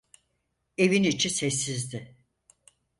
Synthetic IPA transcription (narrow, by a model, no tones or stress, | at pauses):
e̞vinit͡ʃʰisesːizd̪ɪ